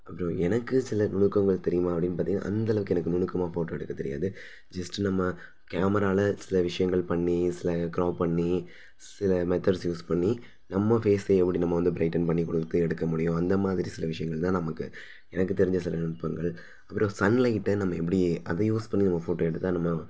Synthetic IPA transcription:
ɐpːɐɾõɛnɐkːɯsɪlɐnʊɳɯkːɐŋɡɐɭt̪ɛɾɪjɯmaːɐpːɐɽɪnːpaːɾt̪ɪjnã̰ʔɐ̰nd̪ɐlɐʋɯkːɛnɐkːɯnʊɳɯkːɐmaːfoːʈoːɛɽɯkːɐt̪ːɛɾɪja̰ːðɯ | d͡ʒɐsʈnɐmːɐ | kaːmɐɾaːlɐsɪlɐʋɪʂɐjɐŋɡɐɭpɐɳːisɪlɐkɪɾoːʋpɐɳːi | sɪlɐmɛt̪ɐɖsjuːspɐɳːi | nɐmːɐfeːseɛpːɐɽinɐmːɐʋɐnd̪ɯbɾɐɪʈːɐnpɐɳːikɔɽɯkt̪ːɯɛɽɯkːɐmʊɽɪjʊ̃ɐnd̪ɐmaːðɪɾisɪlɐʋɪʂɐjɐŋɡɐɭt̪ãːnɐmɐkːɯ | ɛnɐkːɯt̪ɛɾɪɲd͡ʒɐsɪlɐnʊɳɯpːɐŋɡɐɭ | ɐpːɯɾõsɐnlɐɪʈːɐnɐmːɐɛp̬ːɐɽiʔɐ̰ðɐjuːspɐɳːinɐmːɐfoːʈoːɛɽɯt̪ːãːnɐmːɐ

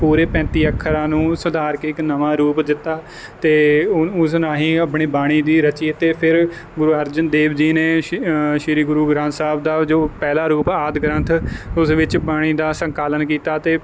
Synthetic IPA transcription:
puːɾeːpɛ̃ːnt̪iːəkʰːəɾãːnũːsʊd̪aːɾkeːɪknəʋãːɾuːpd̪ɪt̪ːaː | t̪eːʊsnãːɦĩːəpɳiːbaːɽ̃iːd̪iːɾət͡ʃiːt̪eːpʰɪɾ | ɡʊɾuːəɾd͡ʒənd̪eːbd͡ʒiːneːʃɪɾiːɡʊɾuːɡɾãːnsaːb̚d̪aːd͡ʒoːpɛːlaːɾuːpaːd̪ɡəɾə̃nt̪ʰʊsʋɪt͡ʃbaːɽ̃iːd̪aːsəŋkaːlənkiːt̪aːt̪eː

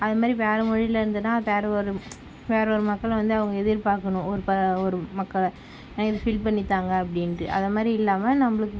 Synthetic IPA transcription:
ɐðɐmaːd̪ɾiʋeːɾɐmɔɻɪlɐɪɾɯnd̪ɯnːaːʋeːɾɛɔɾɯ | ʋeːɾɐɔɾɯmɐkːɐɭʋɐnd̪ɯɐʋɐŋɡɐɛðɪɾpaːɾkɐnʊ̃ɔɾɯpɐɔɾɯmɐkːɐɭ | ɛnɐkɪðɯfɪlpɐɳːɪt̪ːaːŋɡɐːpːɐɽɪnɯʔɐ̰ðɐmaːd̪ɾiɪlːaːmɐnɐmːɐɭɯkːɯ

